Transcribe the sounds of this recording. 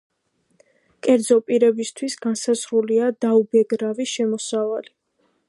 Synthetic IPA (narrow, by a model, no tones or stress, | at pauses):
kʼɛɾd̪zɔpʼiɾɛbist̪ʰwisɡansasɾuliad̪aubɛɡɾaviʃɛmɔsavali